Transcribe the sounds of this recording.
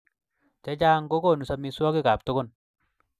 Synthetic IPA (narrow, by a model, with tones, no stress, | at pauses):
t͡ʃa˦t͡ʃaː˦ŋko˦ko˦˨nu˨sa˦mi˦swɔ˦ki˦ka˨p̚tʊ˦kʊ˦n